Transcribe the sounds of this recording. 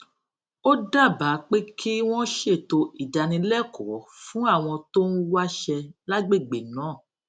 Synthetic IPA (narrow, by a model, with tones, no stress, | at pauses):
o˦da˦˨ba˨˦k͡pe˦kʰi˦w̃ɔ̃˦ʃe˦˨to˧ʔi˨da˨nĩ˧lɛ˦˨kɔ̰˨˦fũ˦a˦˨w̃ɔ̃˧to˦n̩˦wa˦ʃɛ˧la˦ɡ͡be˦˨ɡ͡be˨nãː˨˦˨